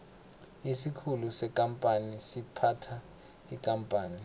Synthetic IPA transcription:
isikʰulusɛkʼampʼanisipʰatʰa | ikʼampʼaːni

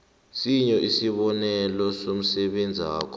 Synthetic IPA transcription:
siɲɔʔisiɓɔnɛlɔsom̩sɛɓend͡zʱia̰ːkʰɔ̥

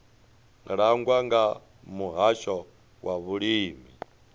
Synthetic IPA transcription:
ɺaŋɡwaŋɡa | muɦaʃɔ | waβuɺiːmi

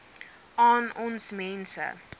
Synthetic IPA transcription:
ʔɑːnɔnsmɛnsə̰

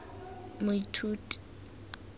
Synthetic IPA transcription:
mʊitʰuːtʼi̥

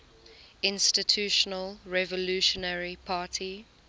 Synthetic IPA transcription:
ɪ̃nstɪtʰjuːʃənəlɹɛvəluʃɔnəɹipʰaːtʰi

